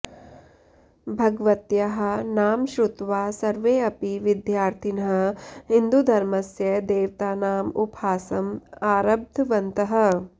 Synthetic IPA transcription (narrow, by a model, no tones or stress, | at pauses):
bʱɐɡʋɐt̪jɐɦɐ̆naːmʃɾut̪ʋaːsɐɾʋeːɐpiʋid̪jaːɾt̪ʰinɐɦɐ̆ɦind̪ud̪ʱɐɾmɐsjɐd̪eːʋt̪aːnaːmupaːsɐmaːɾɐb̚d̪ʱʋɐnt̪ɐɦɐ̆